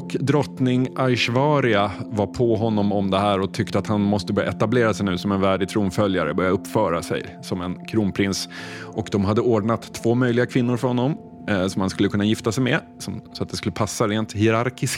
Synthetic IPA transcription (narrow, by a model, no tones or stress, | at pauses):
ɔkd̪ɾɔt̪nɪŋʔajʂvɑːɾɪavapʰɔɦɔnːɔmɔmd̪ɛɦæːɾɔt̪ʰʏk̚t̪əat̪hanmɔst̪əbœɾjaʔɛt̪ableːɾasɛjnʉ̟ːsɔmɛnvæːɖɪɡ̚t̪ʰɾuːmfœljaɾə̰bœɾjaɵpːfœːɾasɛ̰j | sɔmɛnkʰɾuːnpʰɾɪnsʔɔkd̪ɔmɦad̪ːəoːɖɳat̪ʰːv̥oːmœjlɪɡakʰvɪnːʊɾfœɾhɔnːɔm | sɔmhanskɵləkɵnːajɪft̪asɛjmɛ | sɔmsɔat̪̚d̪ɛskɵlːəpʰasːaɾeːnt̪hɪɾaɾkɪsk